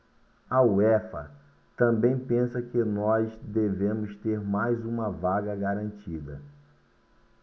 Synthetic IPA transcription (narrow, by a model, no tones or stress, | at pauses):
ɐuɛfɐ̰ | t̪ɐ̃mbẽj̃pẽsɐkɪnɔzsd̪evẽmʊst̪eɾmajzũmɐvaɡɐɡaɾɐ̃nt͡ʃid̪ɐ̰